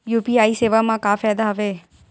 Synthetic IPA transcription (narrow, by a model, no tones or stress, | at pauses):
juːpiːaːiːseːʋamãkaːfɛːd̪aɦəʋeː